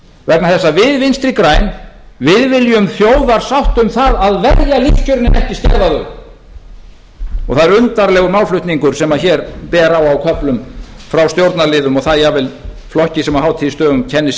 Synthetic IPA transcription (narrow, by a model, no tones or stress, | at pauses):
vɛk̚naθɛsːavɪðvɪnst̪ɾikɾaːjn | vɪðvɪljʏmθjoːwðaɾ̥sawht̪ʏmθaðaðvɛɾjalifscʰœɾɪnɪ̰ɛhcɪscɛ̰ɾðaðʏɾ | ɔɣθaðɛɾʏnt̪aɾlɛːɣʏɾmawlflʏht̪niŋkʏɾ̥sɛmaðçɛɾpɛːɾawawkʰœplʏmfɾawst̪jowɾt̪nalɪðʏmɔɣθaðjaɣvɪlflɔhcɪsɛmahawt̪ʰɪist̪œːɣʏmcʰɛnːɪs